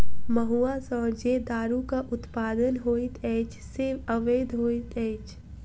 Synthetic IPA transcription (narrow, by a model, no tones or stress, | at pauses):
məɦuːasɔːɾd͡ʒed̪aːɾukaʔʊt̪paːd̪ənɦoːit̪ɛːt͡ʃʰsɪɾʋəʋeːd̪ʱɦoːit̪ɛːt͡ʃʰ